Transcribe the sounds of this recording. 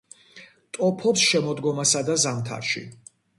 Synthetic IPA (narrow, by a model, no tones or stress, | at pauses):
t̪ʼɔpʰɔpsʃɛmɔd̪ɡɔmasad̪azamt̪ʰa̰ɾʃḭ